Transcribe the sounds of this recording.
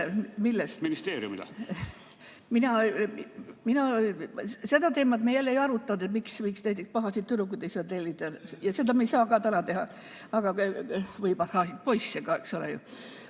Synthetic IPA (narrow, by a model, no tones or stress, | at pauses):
milːest̪minist̪eːɾiṵmid̪ɑ̰ | minɑ | minɑ | se̞d̪ɑt̪e̞ːmɑt̪mejælːeijɑɾut̪ˑːɑnd̪et̪miksmiiksnæjt̪ːˑikspɑɦɑsit̪t̪ːyɾukːud̪ejsɑd̪t̪elʲːit̪ɑjɑse̞d̪ɑmejsɑːkɑːt̪ænɑt̪e̞ɦɑ | ɑɡ̥ɑvɤjbɑt̪hɑːsit̪̚po̞jsːekɑe̞̰ksulḛjṵ